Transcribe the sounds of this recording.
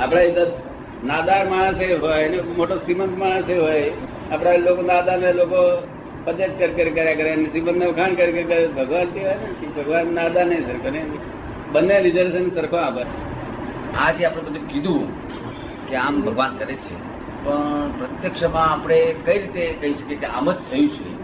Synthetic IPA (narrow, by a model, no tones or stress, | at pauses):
apɽ̃ait̪əɾ | nad̪aɾmaɽ̃əseɦojnemoʈosimənt̪maɽ̃əseɦoj | apɽ̃alokonad̪aneloko | pəd͡ʒeʈ̪̚kəɾkəɾikəɾjakəɾanesimənt̪əʋkʰankəɾkəɾkəɾebʱəɡʋant̪iɦojnekibʱəɡʋanːad̪anəĩsəɾkʰone | bənːeɾid͡ʒəɾsənsəɾkʰõapət͡ʃʰe | ad͡ʒeapɽ̃ẽbəd̪ukid̪ũ | keambʱəɡʋankəɾet͡ʃʰḛ | pəɳpɾət̪jəkʃəmãːpəɽ̃ekəiɾit̪ekəɦiʃəkekea̰məd͡ʒt̪ʰəjũt͡ʃʰḛ